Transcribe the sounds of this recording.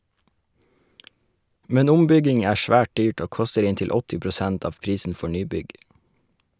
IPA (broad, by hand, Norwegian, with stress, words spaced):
ˈmɛn ˈʊmˌbʏɡɪŋ ˈæː ˈʃʋæːʈ ˈdyːʈ ˈoː ˈkɔstəɾ ˈɪntɪl ˈɔtɪ pɾʊˈsænt ˈɑːʋ ˈpɾiːsn̩ ˈfɔ ˈɳyːˌbʏɡ